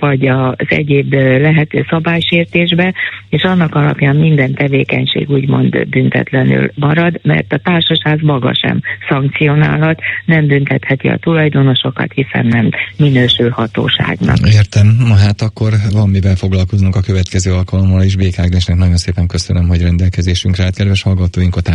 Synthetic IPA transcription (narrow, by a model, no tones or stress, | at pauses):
ʋɒɟɒzɛ̰ɟeːblɛɦɛt̪øːsɒbaːjʃeːrt̪eːʒbɛeːʃɒnːɒkɒlɒ̰pjaːmmind̪ɛnt̪ɛveːkɛɲʃḛːɡuːɟmo̞̰nd̪b̪ynt̪ɛ̰t̪lɛny̰lmɒɾɒd̪mɛ̰rt̪ɒt̪aːrʃɒʃhaːzmɒɡɒ̰ʃɛ̰msɒŋk̚t̪sijo̞na̰ːlɦɒt̪nɛmbynt̪ɛt̪hɛt̪iɒ̰t̪ulɒjd̪o̞no̞ʃo̞kɒ̰t̪hisɛ̰nːɛmːinøːʃølhɒt̪o̰ːʃa̰ːɡnɒ̰eːrt̪ɛmːɒɦaːt̪ɒkːo̞rvɒmːivɛlfoɡlɒlkoznuŋkɒkøvɛt̪kɛzøːɒlkɒlo̞mːɒleːʒbeːkaːɡd̪eʃnɛknɒɟo̞nseːpɛŋkøsønømɦo̞ɟrɛnd̪ɛlkɛzeːʃyŋkrɛat̪kɛd̪vɛʃhɒlɡɒt̪oːjiŋkɒt̪a